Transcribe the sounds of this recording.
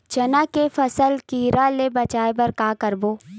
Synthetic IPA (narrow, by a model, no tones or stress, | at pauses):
t͡ʃɐnakefɐsəlkiːɾʔalebɐt͡ʃaːebɐɾkaːkəɾboː